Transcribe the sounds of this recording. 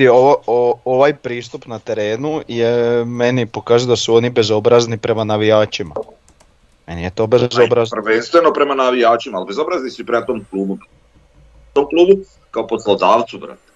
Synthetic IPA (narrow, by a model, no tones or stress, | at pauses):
oooʋajpɾiːst̪upnat̪e̞ɾe̞ːnujeme̞nipo̞kaːʒujod̪asuo̞nibe̞zo̞bɾaznipɾe̞manaʋijaːt͡ʃima̰ | me̞nijet̪o̞bezobɾazrʋenst̪ʋenopɾemanaʋijaːt͡ʃimaːlbezobɾaznisuipɾemat̪omklˠuːbup | t̪omklˠuːbu | kaoposlˠod̪aːʋt̪subɾa̰ːt̪e̥